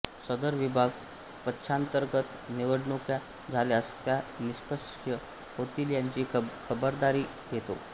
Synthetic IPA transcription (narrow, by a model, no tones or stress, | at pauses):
səd̪əɾʋibʱaɡ | pətːɕʰant̪əɾɡət̪niʋəɽɳokja | d͡zʱaljast̪janispəs | ə | hot̪iːljaɲt͡ɕiːkʰəbəɾd̪aɾiː | jet̪o̰